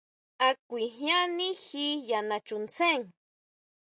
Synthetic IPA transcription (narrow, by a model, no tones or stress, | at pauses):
akʷiɦjanixijanat͡ʃunt͡seŋ